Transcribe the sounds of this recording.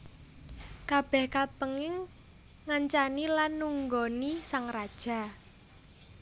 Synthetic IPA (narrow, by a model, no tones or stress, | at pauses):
kab̥ɛhkapəŋɪŋ | ŋaɲt͡ʃanilanːuŋɡonisaŋrad̥ʒ̥a̤